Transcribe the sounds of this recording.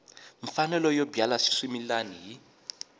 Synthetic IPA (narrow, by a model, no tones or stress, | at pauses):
ɱfanɛlɔjɔbjalaʃi̥ʂimilaniɦi